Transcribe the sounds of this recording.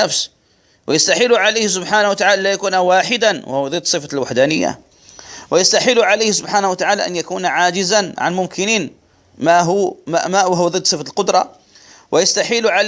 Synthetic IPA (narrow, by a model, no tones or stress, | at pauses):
afs | wʔɪjast̪aħiːlʊʕalajhs̬ʊbħaːnahwat̪aʕaːlʔlːajakuːnawaːħɪd̪anwʔa̰hʊwðˤɨd̪ːsˤɨfalwaħd̪aːnɪjːa̰ | wɪjast̪aħiːlʊʕalajhsʊbħaːnahwat̪aʕaːla̰ʔa̰njakuːnʕaːd͡ʒɪzanʕa̰nmʊmkɪniːn | maɦʊamawaɦʊwðˤɨd̪ːˤsˤɨfalqʊd̪ɾˤɑ̰ | wɪjast̪aħiːlʊʕa